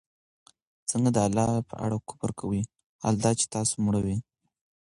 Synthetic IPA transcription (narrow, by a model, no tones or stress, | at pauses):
t͡səŋɡad̪əalːɑpə̰ʔa̰ɽakʊ̥paɾkʰawə | ha̰ld̪ɑt͡ʃe̥t̪ɑso̥mɽawi